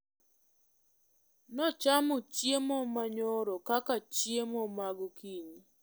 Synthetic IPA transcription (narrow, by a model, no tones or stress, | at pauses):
nɔt͡ʃamʊt͡ʃjemɔmaɲoɾokakat͡ʃjemɔmaɡokiɲi